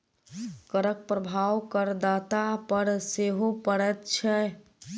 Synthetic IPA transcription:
kəɾək̚pɾəbʱawkəɾd̪at̪apəɾseɦopəɽɛt̪t͡ʃʰɛ

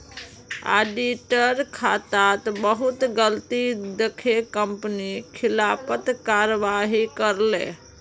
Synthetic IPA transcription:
a̰ɖiʈəɾkʰat̪at̪bəɦut̪ɡəlt̪id̪ekʰekəmpnikʰilapət̪kaɾəʋaɦikəɾlḛ

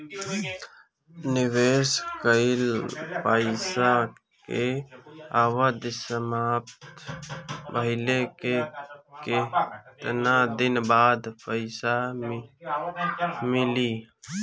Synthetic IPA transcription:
nɪweːskəɪlpəɪsa | ke | aːwəd̪səmaːpt̪t̪ | bəɦɪlekeket̪nad̪ɪnbaːd̪pəɪsa | mɪliː

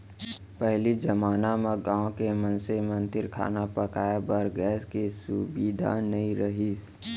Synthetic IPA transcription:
pɛɦlid͡ʒəmaːnameɡãːõkemənsemə̃nd̪ɪɾkʰa̰ːnapəkaːjabəɾɡɛːskesʊbiːd̪ʱa̰nɐĩɾəɦis

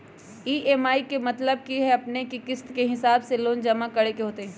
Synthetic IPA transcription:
iːʔeːmaːikemɐt̪ləb̚kiɦɛɐpnekikɪst̪keɦɪsaːbseloːnd͡ʒɐmakɐɽekeɦoːt̪eɦɛ̃ː

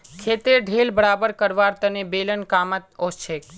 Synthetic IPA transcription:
kʰet̪eɖʱelbəɽabəɾkəɾʋaɾt̪ənebelənkamət̪ost͡ʃʰek̚

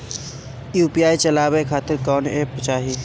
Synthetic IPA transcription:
juːpiaːit͡ʃəlaːbekʰaːt̪ɪɾkɔːnept͡ʃaːɦi

